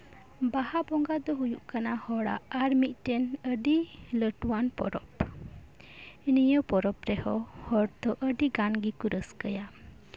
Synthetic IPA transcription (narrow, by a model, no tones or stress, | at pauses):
bahabɔŋɡad̪ɔɦujuʔkanahɔɽa̰aɾmit̪̚ˀʈɛnəɖiləʈwanpɔ̰ɾɔp | inijəwpɔɾɔpɾɛhɔhɔɾd̪ɔʔəɖiɡanɡikuɾəskəja